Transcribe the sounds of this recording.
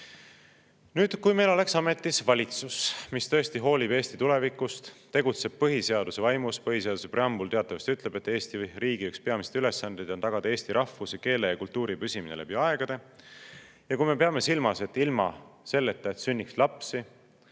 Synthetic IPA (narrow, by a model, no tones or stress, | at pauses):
nyːd̪̥kujmejlo̞le̞ksɑme̞t̪ːisvɑlʲit̪susmist̪ɤ̞est̪iɦo̞ːlʲibe̞ːsʲt̪i̥t̪ule̞vikːˑust̪t̪ːe̞ɡut̪se̞b̥̚pɤɦise̞ɑd̪use̞vɑjmuspɤɦise̞ɑd̪use̞preɑmbult̪e̞ɑt̪ːˑɑvɑst̪yt̪ˑle̞b̥e̞t̪ːˑe̞ːst̪iriːɡ̥iykspe̞ɑmise̥t̪yle̞sːɑnd̪ejd̪̥o̞nt̪ɑɡ̥ɑd̪ɑeːst̪iɾʔɑfːuseke̞ːlejɑkult̪ːuːɾipysʲiminḛlebiɑe̞ɡ̥ɑd̪e̞ | jɑkujme̞peɑme̞silmɑse̞t̪ːˑilmɑ̰se̞lːet̪ːˑɑet̪synːikslɑpsi